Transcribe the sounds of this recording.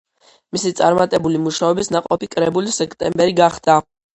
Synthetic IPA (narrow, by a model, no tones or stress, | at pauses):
misit̪sʼa̰ɾmat̪ʼɛbulimuʃaɔbisnaqʼɔpikʼɾɛbulisɛkʰt̪ʼɛmbɛɾiɡaχd̪̥a